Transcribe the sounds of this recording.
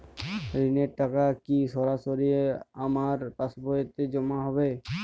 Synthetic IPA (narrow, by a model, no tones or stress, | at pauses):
ɾineɾʈakakisɔɾasoɾieamaɾpasbɔjet̪ed͡ʑɔmaɦɔbe